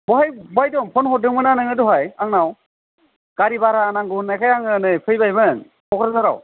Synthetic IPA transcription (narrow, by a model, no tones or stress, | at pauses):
bɔɦajbɔajdɔmpʰɔnhɔdɯŋmɯnanɯŋɯdɔɦajaŋnaw | kaɾibaɾanaŋɡunakʰajaŋɯnɯjpʰɯjbajbɯnŋ | kʰɔkʰɾasaɾa̰w